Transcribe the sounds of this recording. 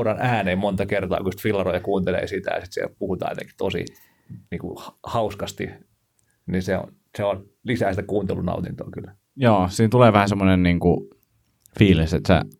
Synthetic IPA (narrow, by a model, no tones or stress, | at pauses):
rɑnæːneimont̪ɑkert̪ɑ̰ːkuost̪filːɑrojɑkuːnt̪elḛːsit̪æ̰jɑsit̪siḛlpuhut̪ɑ̰ːjḛt̪ḛŋki̥t̪osḭ | niːŋkṵhhɑuskɑst̪ḭ | niseo̰n | seon | lisæːsit̪ækuːnt̪ḛlːunɑ̰ut̪int̪o̰ːkylː | joːsiːnt̪uleːʋæhæsemːonenniːŋku | fiːliset̪sḛ